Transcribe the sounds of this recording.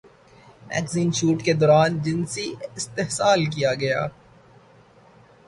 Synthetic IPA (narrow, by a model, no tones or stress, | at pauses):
mɛ̰ːɡziːnʃuːʈked̪ɔːɾaːnd͡ʒɪnsiɪst̪eɦsaːlk̬ijaɡɐja̰ː